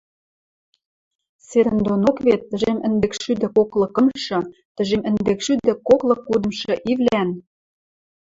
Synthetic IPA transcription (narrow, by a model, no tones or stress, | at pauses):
seɾə̆nd̪onokβet̪ːə̆ʒemə̆nd̪ekʃyd̪ɘ̆koklˠɤ̆kɤ̆mʃɤ̆t̪ə̆ʒemə̆nd̪ekʃyd̪ɘ̆koklɤ̆kːud̪ɤ̆mʃɤ̆ʔiβlʲæn